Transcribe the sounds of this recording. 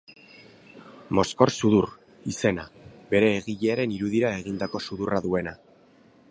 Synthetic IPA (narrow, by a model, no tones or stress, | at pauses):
mo̞sko̞ɾsuður | ise̞naβe̞ɾe̞ːɣiʎeaɾe̞niɾuðiɾae̞ɣ̞ind̪ako̞suðuraðue̞na